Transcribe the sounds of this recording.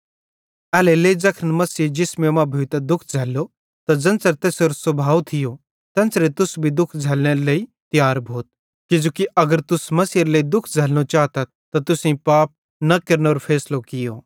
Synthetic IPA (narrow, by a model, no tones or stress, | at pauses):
ɛːleleid͡zɐkʰənmɐsied͡ʒɪsmemãbʱʊit̪ad̪ʊkʰd͡zʱɛːlːo | t̪ad͡zɐ̃nsəɾt̪eːsoːɾosɐbʱaːʋt̪ʰɪjo | t̪ɐ̃nsɾet̪ʊsbʱid̪ʊkʰd͡zʱɛːlñeleit̪ɪjaːɾbʱoːt̪̚ | kɪd͡ʒoːkiʔɐɡəɾt̪ʊsmɐsijəɾləid̪ʊkʰd͡zʱɛːlñot͡ʃaːɦt̪at̪t̪at̪ʊsẽpaːp̚ | nɐkɐɾnoːɾpʰɛːslokɪjo̰ː